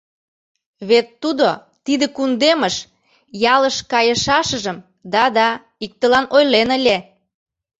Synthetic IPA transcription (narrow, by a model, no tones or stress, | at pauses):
βet̪ːud̪o | t̪id̪ĕkund̪eməʃ | jɑləʃkɑjəʃɑʃəʒəm | d̪ɑd̪ɑ | ik̚t̪əlɑnojlenəlʲe